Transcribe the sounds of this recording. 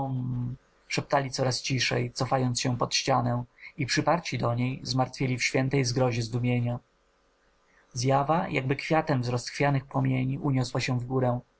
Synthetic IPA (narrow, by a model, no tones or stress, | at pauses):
ʂɛp̚t̪alʲit̪sɔɾast͡ɕiʂɛ̰jt̪sɔfajɔnt̪sɕɛpɔt̪ɕt͡ɕanɛ̃ipʂɘpaɾt͡ɕid̪ɔɲejzmaɾt̪fʲjelʲifɕfʲjɛnt̪ɛjzɡɾɔʑɛzd̪umʲjeɲa | zjavajʔa̰ɡ̚bɘkfʲjat̪ɛmvzɾɔst̪xfʲjanɘxpɔmʲjeɲiʔuɲɔswaɕɛ̃vɡuɾɛ̃